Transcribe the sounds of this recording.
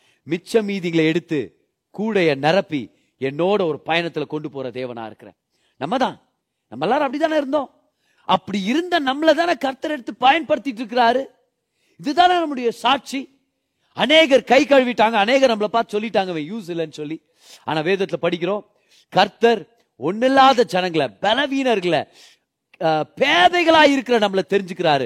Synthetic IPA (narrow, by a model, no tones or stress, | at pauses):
mɪt͡ʃːɐmiːðɪŋɡɐlɐɛɽɯt̪ːɯ̰ | kuːɽɐjɐnɐɾɐpːḭ | ɛnːoːɽɐɔɾɯpɐjɐnɐt̪ːɪlɐkɔɳɖɯpoːɾɐd̪eːʋɐna̰ːɪ̰ɾɯkːɪɾḛ̃ː | nɐmːɐt̪ãː | nɐmːɐɛlːaːɾɐpːɐɽɪt̪ːaːnːɪɾɯnd̪õː | ɐpːɐɽiɪɾɯnd̪ɐnɐmːɐlɐt̪aːnakɐɾt̪ɐɾɛɽɯt̪ːɯpɐjɐnpɐɽɯt̪ːɪʈːɪɾɯk̬ːɪɾaːɾɯ | ɪðɯt̪ːaːlɐnɐmːɯɽɐjɐsaːʈ̚t͡ʃi | ɐneːɣɐɾkɐɪkɐɻɯʋɪʈːaːŋɡɐːneːɣɐɾnɐmːɐlɐpaːɾt̪ːɯsɔlːɪʈːaːŋɡɐʋẽːjuːs̬ɪlːɐnːɯsɔlːi | a̰ːnãːʋeːðɐt̪ːɪlɐpɐɽɪk̬ʲːɪɾõː | kɐɾt̪ɐɾ | ɔnːɪlːaːðɐd͡ʒɛnɐŋɡɐɭɐ̰bɛlɐʋiːnɐɾɣɐɭɐ̰ | peːðɐɪɣɐɭaːɪɾɯkːɪɾɐnɐmːɐɭɐt̪ɛɾɪɲd͡ʒɯkːɪɾaːɾɯ